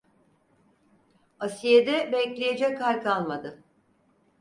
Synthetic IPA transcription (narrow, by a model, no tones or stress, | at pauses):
asijed̪ɛbɛclʲejed͡ʒɛkʰːalʲkalˠmad̪ɯ